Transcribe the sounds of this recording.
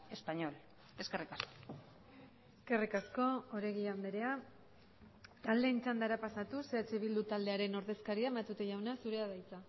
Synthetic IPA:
e̞spaɲo̞l | e̞skerikasko̥ | eske̞rikasko̞oɾeɣiand̪eɾe̞a | t̪ald̪e̞int͡sand̪aɾapasat̪useat͡ʃeβild̪ut̪ald̪e̞aɾe̞no̞ɾðe̞skaɾiaemat̪ut̪eʝawnasuɾe̞aðajt͡sa

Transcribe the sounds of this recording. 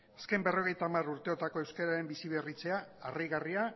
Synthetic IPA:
aske̞mbe̞ro̞ɣe̞jt̪amaruɾt̪e̞o̞t̪ako̞e̞wskeɾaɾe̞mbisiβe̞rit͡se̞aariɣaria

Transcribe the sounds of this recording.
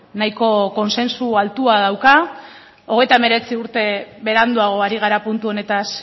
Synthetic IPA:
najko̞ko̞nse̞nsualt̪uað̞awka | o̞ɣe̞jt̪aeme̞ɾe̞t͡siuɾt̪e̞βe̞ɾand̪uaɣo̞aɾiɣ̞aɾapunt̪uo̞ne̞t̪as

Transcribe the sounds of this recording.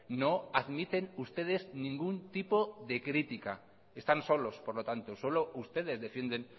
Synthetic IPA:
noaðmit̪e̞nust̪e̞ð̞e̞znĩŋɡunt̪ipoðe̞kɾit̪ika̰ | est̪anso̞lo̞spoɾlot̪ant̪oso̞loʔust̪e̞ð̞e̞zðe̞fjend̪en

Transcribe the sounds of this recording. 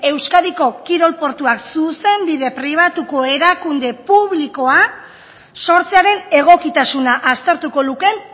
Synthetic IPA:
e̞wskaðiko̞kiɾo̞lpo̞ɾt̪uaksuse̞mbiðe̞pɾiβ̞at̪uko̞e̞ɾakund̪e̞puβliko̞a | so̞ɾt͡seaɾe̞ne̞ɣ̞o̞kit̪asunaʔast̪e̞ɾt̪uko̞luke̞n

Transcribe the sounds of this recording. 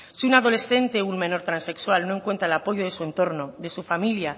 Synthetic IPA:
siunaðo̞le̞sθe̞nt̪e̞unmẽ̞no̞ɾt̪ɾanse̞kswalnoeŋkwent̪ɾaelapo̞ʝoðesue̞nt̪oɾnod̪e̞sufamilja

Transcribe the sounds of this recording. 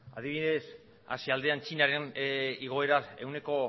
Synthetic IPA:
að̞iβiðe̞s | a̰siald̪e̞ant͡ʃinaɾeniɣ̞o̞e̞ɾae̞wne̞ko̞

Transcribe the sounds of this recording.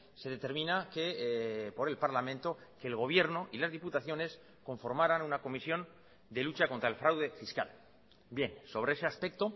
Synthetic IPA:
se̞ðe̞t̪e̞ɾmĩnakepo̞ɾe̞lpaɾlamẽ̞nt̪o̞ke̞ːlɣ̞o̞β̞je̞ɾno̞ʔilazðiput̪aθjo̞ne̞s | ko̞ɱfo̞ɾmaɾanunako̞misjõ̞n | d̪e̞lut͡ʃakont̪ɾae̞lfɾawðe̞fiska̰l | bje̞nso̞β̞ɾe̞ese̞aspe̞k̚t̪o̞

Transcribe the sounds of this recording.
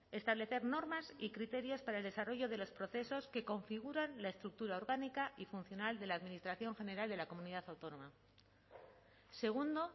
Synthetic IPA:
e̞st̪aβle̞θe̞ɾno̞ɾmasikɾit̪e̞ɾjo̞spaɾaeld̪e̞saro̞ʝo̞ðe̞lo̞spɾo̞θe̞so̞ske̞ko̞ɱfiɣuɾanlae̞st̪ɾuk̚t̪uɾao̞ɾɣanikaʔifun̟θjo̞nald̪e̞laːðminist̪ɾaθjo̞ŋxe̞ne̞ɾald̪e̞lako̞muniðaθawt̪o̞nõ̞ma | se̞ɣ̞und̪o̞

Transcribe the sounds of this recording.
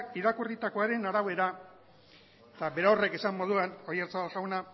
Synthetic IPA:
iɾakurit̪ako̞aɾe̞naɾaβe̞ɾa | et̪abe̞ɾaowre̞kesamːo̞ð̞uanojeɾt͡saβalʝawna

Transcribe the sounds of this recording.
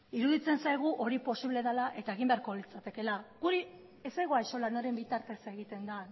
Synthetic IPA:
iɾuðit͡se̞nsajɣ̞uʔo̞ɾipo̞siβle̞ðalaʔe̞t̪ae̞ɣ̞imbe̞aɾko̞lit͡sat̪e̞ke̞laɡuɾi | esejɣoajso̞lanoɾe̞mbit̪aɾt̪e̞se̞ɣit̪e̞nd̪a

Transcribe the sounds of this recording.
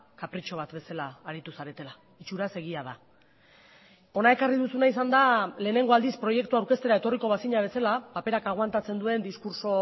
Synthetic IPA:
kapɾit͡ʃo̞β̞at̪be̞salaːɾit̪usaɾe̞t̪e̞la | it͡ʃuɾase̞ɣ̞iaða | o̞nae̞kariðusunaisand̪ale̞ːne̞ŋɡo̞ald̪ispɾo̞je̞kt̪uawɾke̞st̪e̞ɾae̞t̪o̞riko̞β̞asiɲaβ̞e̞salapape̞ɾakaɣ̞want̪at͡se̞nd̪ue̞nd̪iskuɾso̞

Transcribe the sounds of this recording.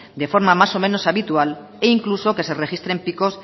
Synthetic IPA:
d̪e̞fo̞ɾmamaso̞me̞no̞saβit̪ual | eiŋkluso̞ke̞se̞re̞xist̪ɾe̞mpiko̞s

